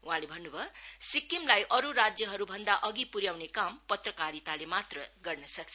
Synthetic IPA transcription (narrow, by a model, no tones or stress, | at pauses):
uɦãlebʱʌnːubʱʌsikimlajʔʌɾuɾad͡zjʌɦʌɾubʱʌnd̪aʔʌɡipuɾjawnekampʌt̪rʌkaɾit̪alemat̪rʌɡʌrnʌsʌk̚t͡sʰ